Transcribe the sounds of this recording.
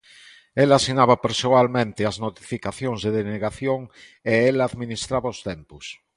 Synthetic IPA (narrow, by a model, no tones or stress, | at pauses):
elasinaβapeɾsoalmẽnt̪eaznot̪i̥fikaθjõŋzðeðeneɣaθjoŋ | eelaðminist̪ɾaβaost̪empus